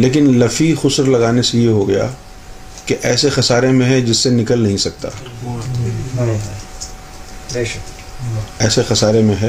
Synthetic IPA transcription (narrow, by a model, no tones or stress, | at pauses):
leːk̬ɪnlɐfixʊsɾlɐɡaːnesejeɦoɡɐja̰ː | keʔɛːsexɐsaːɾemẽɦɛ̃d͡ʒɪsːenɪkəlnɐɦĩsɐk̚t̪a̰ː | ɛːsexɐsaːɾemẽɦɛ̃